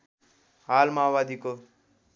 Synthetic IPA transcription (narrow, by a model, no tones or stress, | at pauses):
ɦalmawad̪iko